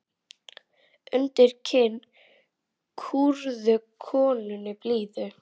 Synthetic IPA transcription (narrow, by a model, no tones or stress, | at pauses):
ʏnt̪ɪɾ̥cʰɪnː | kʰuɾðʏkʰɔːnʏnɪpliːðʏ